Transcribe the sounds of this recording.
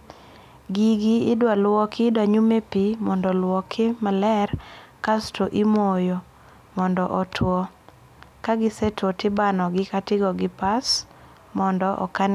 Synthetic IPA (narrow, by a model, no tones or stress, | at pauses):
ɡiɡɪɪdwalwɔkʰɪdwaɲumepimɔndɔlwɔkʰɪmalɛrkastoʔimojo | mɔndɔʔɔtʰwɔ | kaɡɪsɛtɔtɪbanɔɡɪkatɪɡɔɡɪpas | mɔndɔʔɔ̰kan